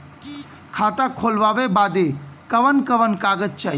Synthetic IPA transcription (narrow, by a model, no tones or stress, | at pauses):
kʰaːt̪akʰoːlʋaːʋebaːd̪ekəʋənkəʋənkaːɡət̪̚t͡ʃaːɦi